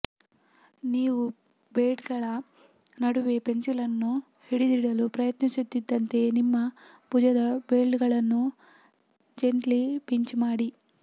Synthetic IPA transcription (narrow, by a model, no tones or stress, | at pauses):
niːʋu | beːɖɡɐɭɐ | nɐɽuʋepe̞nsilɐnːu | hiɽid̪iɽɐlupɾɐjɐt̪nisut̪ːid̪ːɐnt̪e̞nimːɐ | pud͡ʒɐd̪ɐbeːɭɖɡɐɭɐnːu | d͡ʒe̞nʈlipiɲt͡ʃmaːɽi